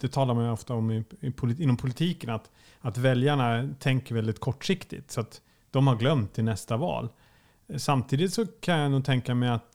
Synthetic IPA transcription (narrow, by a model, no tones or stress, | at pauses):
d̪̥ɛt̪ʰɑːlaɾmanjɔft̪aɔmɪɪpʰʊlɪɪnːɔmpʰʊlɪt̪ʰiːkənat̪ | at̪vɛljaɳat̪ʰɛŋkəɾvɛld̪ɪt̪kʰɔʈːʂɪkt̪ɪ̰t̪sɔat̪ | d̪̥ɔmhaɾɡlœmt̪ʰːɪnɛst̪avɑ̰ːl | samt̪ʰiːd̪ɪt̪sɔkʰanjanuːɡt̪ʰɛŋkamɛjat̪